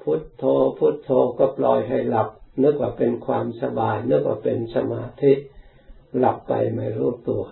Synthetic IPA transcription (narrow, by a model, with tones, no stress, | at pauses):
pʰu˦˥t̪ʰːoː˧pʰu˦˥t̪ʰːoː˧kɔː˥˩plɔː˧jɦa˥˩jla˨˩p̚nɯ˦˥k̚waː˧˩pe˧nkʰwaː˧msa˧baː˧jnɯ˦˥k̚wa̰ː˧˩pe˧nsa˧maː˧t̪ʰi˦˥ʔ | la˨˩pːa̰˧jma̰˧˩jɾuː˦˥˩t̪u˧˩ɐ